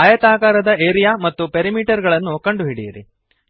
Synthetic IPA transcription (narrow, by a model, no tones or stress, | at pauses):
aːjɐt̪aːkaːɾɐd̪ɐeːɾijaːmɐt̪ːupeɾimiːʈɐɾɡɐɭɐnːukɐɳɖuɦiɽijɐɾḭ